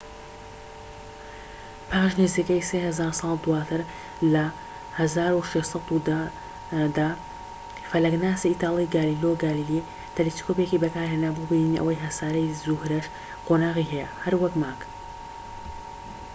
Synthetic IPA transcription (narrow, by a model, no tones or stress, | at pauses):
pʰaːʒniziːkəjsehɐzaːɾsɑlˠd̪uwaːt̪ʰɨɾ | lɐ | hɐzaːɾuʃeʃsˤɑt̪ud̪a | d̪aː | fɐlɐɡnaːsiiːt̪ɑːlˠiɡaːliːloɡaːlili | t̪ʰɛleskopjekibɐkaːɾheːnaːbubininiʔɐ̰wɐjɦɐsaːɾɐjzuhɾɐʃ | qoːnaːʁiɦɛjɐhɐɾwɐkmaːk